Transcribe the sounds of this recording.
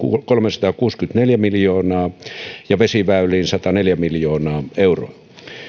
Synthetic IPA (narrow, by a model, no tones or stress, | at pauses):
ukolmesɑ̥t̪ɑkuːskyt̪neljæmiljoːnɑːjɑʋesiʋæylˑiːnsɑt̪ɑneljæmiljoːnɑːeuro̰ɑ